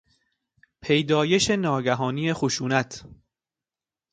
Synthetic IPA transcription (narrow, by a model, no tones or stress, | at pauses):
pʰejd̪ɒːje̞ʃe̞nɒːɡæɦɒːniːjexoʃuːnæt̪ʰ